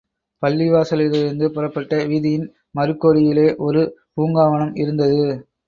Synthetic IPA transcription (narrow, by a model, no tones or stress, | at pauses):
pɐlːɪʋaːsɐlɪɾɐɾɯnd̪ɯpʊɾɐpːɐʈːɐʋiːðɪjɪn | mɐɾɯkːoːɽɪjɪleːʔɔɾɯpuːŋɡaːʋɐnɐmɪɾɯnd̪ɐðɯ